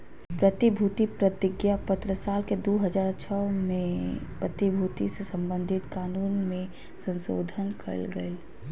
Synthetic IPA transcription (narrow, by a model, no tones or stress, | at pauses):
pɾət̪ibʱuːt̪ipɾət̪ɪɡjapət̪ɾəsaːlked̪oːɦɐd͡ʒaːɾt͡ʃʰɔːmẽpɾət̪ibʱuːt̪isesɐ̃mbə̃nd̪ʱɪt̪kaːnuːnmẽ | sə̃nso̰ːd̪ʱənkʰə̰ɾlɡə̰el